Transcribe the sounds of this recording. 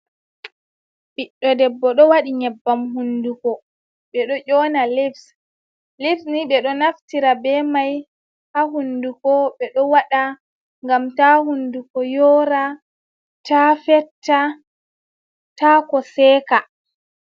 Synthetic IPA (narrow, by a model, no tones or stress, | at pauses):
ɓiɗːɔdɛbːɔɗɔwaɗiɲɛbːamɦundukɔ | ɓɛɗɔʔɔːnalips | libsniɓɛɗɔnaftiɾabɛmaj | haɦundukɔɓɛɗɔwaɗa | ŋɡamtahundukɔjɔɾa | tafɛtʰːa | taːkɔsɛːka